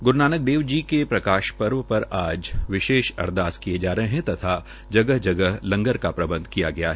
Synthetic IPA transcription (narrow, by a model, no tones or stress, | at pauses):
ɡʊɾnaːnək̚d̪eːʋd͡ʒikepɾɐkaːʃpɐɾʋəpɐɾaːd͡ʒʋɪʃeːʃɐ̰ɾd̪aːskied͡ʒaːɾɐɦeɦɛ̃t̪ɐt̪ʰa | d͡ʒɐɡəɦd͡ʒɐɡəɦlɐ̃ŋɡəɾkapɾɐbə̃nd̪ʱkijaɡɐjaɦɛː